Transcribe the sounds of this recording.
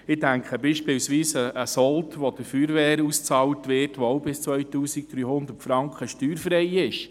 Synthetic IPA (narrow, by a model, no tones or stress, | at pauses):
ɪdæŋkχəbiːʃpɪwsʋiːsəʔːsɔltʰʋɔd̥əfyːɾʋɛːɾust͡sɑːltʋɪtʋoowbɪst͡sʋœʏtuːsɪk̚d̥̪ɾyːhʊnd̪ətfɾɑŋkχəʃtyːɾfɾɛjɪʃ